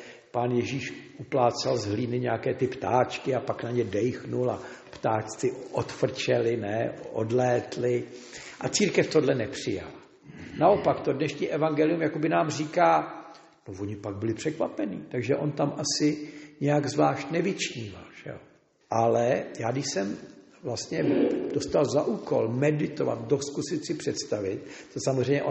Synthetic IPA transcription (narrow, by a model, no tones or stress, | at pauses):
paːnjɛʒiːʃʔuplaːt͡salzɦliːnɪɲɛakɛːt̪ɪpt̪aːt͡ʃkɪapaknaɲɛdɛjxnulapt̪aːt͡ʃt͡sɪʔot̪fr̩t͡ʃɛlɪnɛʔo̰dlɛːt̪lɪʔat͡siːɾkɛft̪odlɛnɛpr̝̥ɪja̰la | naʔo̞pakt̪odnɛʃɲiːʔɛvaŋɡɛlɪjumjakobɪnaːmr̝iːkaː | novoɲɪpaɡ̚bɪlɪpr̝̥ɛkva̰pɛnḭːt̪aɡʒɛʔo̞nt̪amʔasɪɲɛjaɡzvlaːʃt̪nɛvɪt͡ʃɲiːva̰lʒ̥ɛ̰o | ʔalɛjaːdɪʃsɛm | vlast̪ɲɛd̥o̞st̪alzaʔuːko̞̰lmɛdɪt̪ova̰t̪̚doskusɪt̪sɪpr̥ɛt̪st̪avɪt̪̚t̪osamozr̝ɛjɲɛʔo